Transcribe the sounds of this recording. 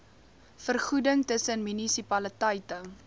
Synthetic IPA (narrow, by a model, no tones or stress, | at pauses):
fərχudəŋtəsənmynisipɐlətɐjtə